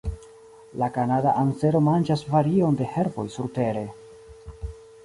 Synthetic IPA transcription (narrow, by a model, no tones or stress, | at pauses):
lakanadaʔanse̞ɾo̞mand͡ʒasvaɾio̞nde̞he̞ɾvo̞̰jsuɾte̞ɾe̞